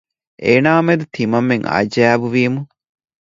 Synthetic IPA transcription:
ʔeːnaːmed̪ut̪ʰimɐmːeŋɐ̰d͡ʒæːʋuʋiːmu

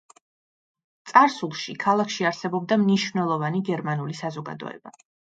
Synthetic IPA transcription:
t̪sʼaɾsulˠʃikʰalˠakʰʃiaɾsɛbɔb̚d̪amniʃvnɛlˠɔvaniɡɛɾmanulisazɔɡa̰d̪ɔ̰ɛ̰ba

